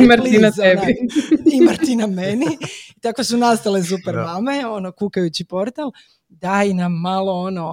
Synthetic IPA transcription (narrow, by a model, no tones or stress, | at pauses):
imaɾlinaebiimaɾt̪inameniit̪akosunast̪alezupeɾmame̞o̞nokukajut͡ɕipo̞ɾt̪alˠ | d̪ajinamːaloono